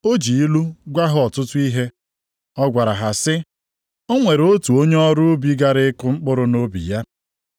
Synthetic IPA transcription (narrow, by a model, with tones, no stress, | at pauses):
o˦d͡ʒi˨i˦lu˦ɡʷa˦ɦʊ˦ɔ˨tʊ˦tʊ˦i˦ɦe˦ | ɔ˦ɡʷa˨ɾa˨ɦa˨sɪ˦ | o˦ŋʷe˨ɾo˦tu˨o˦ɲe˦ɔ˦ɾʊ˦bi˨˦ɡa˦ɾɪ˦kʊ˦ŋ͡m̩˦k͡pʊ˦ɾʊ˦no˦bḭ˨ja˦